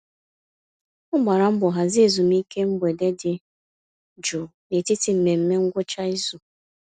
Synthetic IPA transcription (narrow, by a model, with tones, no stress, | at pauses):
ʊ˦ɡ͡ba˨ɾa˨m̩˦bʊ˨ɦa˨zɪ˦e˨zu˨mi˦ke˦m̩˦be˨de˦dɪ˨ | d͡ʒu˨ne˨ti˦ti˨m̩˨me˨m̩˦me˦ŋ̩˦ɡʷʊ˦t͡ʃa˦i˦zu˨